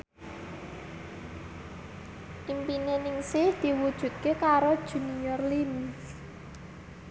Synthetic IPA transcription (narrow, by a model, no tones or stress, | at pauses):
ʔimpinenɪŋsɪhd̪̥i̤wud̥ʒ̥ṳt̪̚kekaɾod̥ʒ̥ṳnijɔrlins